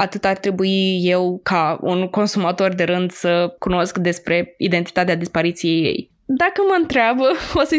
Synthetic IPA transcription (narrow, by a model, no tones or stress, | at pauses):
at̪ɨt̪art̪ɾe̞buije̞wkaṵnko̞nsumat̪o̞rd̪e̞ɾɨnd̪səkuno̞skd̪e̞spɾe̞id̪e̞nt̪i̥t̪at̪ead̪ispaɾit̪sije̞jːe̞̰j | d̪akəməɨnt̪ɾeabəosə